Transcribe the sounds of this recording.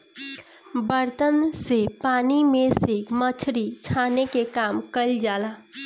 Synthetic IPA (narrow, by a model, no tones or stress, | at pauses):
bəɾt̪ənsepaːnimẽsemət͡ʃʰɾit͡ʃʰaːnekekaːmkəld͡ʒaːla